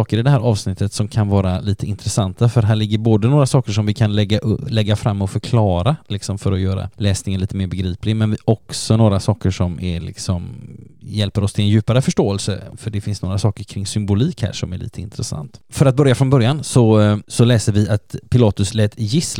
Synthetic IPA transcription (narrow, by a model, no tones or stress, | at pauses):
ɑːkəɾɪd̪ɛhæːɾʔɑ̰ːvsnɪt̪ːət̪sɔmkʰanvɑːɾaliːt̪ʰəɪnt̪ɾɛsant̪ʰafœɾɦæːɭɪɡːəɾboːd̪ənoːɾasɑːkəʂɔmvɪkʰanlɛɡːaʔlɛɡːafɾamːɔfœɾkʰlɑːɾalɪksɔmfœɾɔjœːɾa̰lɛːsnɪŋənliːt̪əmeːɾbɛɡɾiːplɪmɛnvɪɔksɔnoːɾasɑːkəʂɔmʔɛ̰lɪ̰ksɔmjɛlpəɾɔst̪ʰɪlɛnjʉ̟ːpaɾəfœʂʈoːɛlsəfœɖɛfɪnsnoːɾasɑːkəɾkʰɾɪŋːsʏmbʊliːkhæ̰ːʂɔmæ̰ɭḭːt̪ʰəɪ̰nt̪ɾɛsa̰nt̪fœɾat̪̚bœɾjafɾɔnbœɾjansɔsɔlɛːsəɾvɪat̪pʰɪlɑːt̪ɵslɛːt̪jɪs